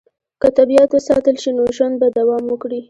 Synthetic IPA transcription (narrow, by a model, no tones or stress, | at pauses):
kət̪abiat̪asɑt̪əlʃinoʒwand̪̚bad̪awɑmwəkɽi